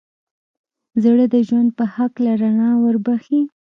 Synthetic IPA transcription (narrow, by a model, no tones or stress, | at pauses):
zaɽəd̪əʒwand̪̚pəhaklaɾaɳɑwəɾbaxi